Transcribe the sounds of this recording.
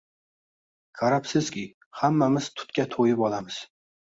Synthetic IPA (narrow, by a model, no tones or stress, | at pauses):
kʰaɾapsɪz̥kʲɪ | hamːamɪz̥t̪ʰʊ̥t̪kʲat̪ʰojɪpɒlamɪz̥